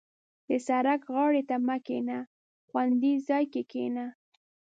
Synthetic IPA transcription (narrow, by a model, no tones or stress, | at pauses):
d̪əsaɾakɣɑɽet̪amakena | xwand̪izɑjkekena